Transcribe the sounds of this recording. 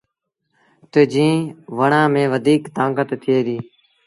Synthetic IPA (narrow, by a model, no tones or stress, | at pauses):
t̪eːd͡ʒĩːʋəɳãːmẽːʋəd̪ʱiːkt̪ãːŋɡət̪t̪ʰːɪeːd̪iː